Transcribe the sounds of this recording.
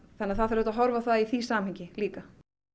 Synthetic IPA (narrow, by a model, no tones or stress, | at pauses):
θɛnːaθaðθɛɾʏt̪aɦɔɾvaθaðiθiːsaːmhɪɲcɪliːka